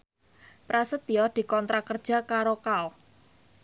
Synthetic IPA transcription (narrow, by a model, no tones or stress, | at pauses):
pɾasət̪̚ijɔd̪̥i̤kɔnt̪ɾakərd̥ʒ̥a̤kaɾokal